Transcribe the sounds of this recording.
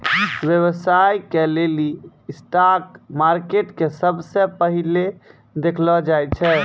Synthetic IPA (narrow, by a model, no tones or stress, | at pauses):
ʋjəβsajkeleli | sʈakmaɾkeʈkesəbsẽpəɦile | d̪ekʰlɔd͡ʒajt͡ʃʰɛ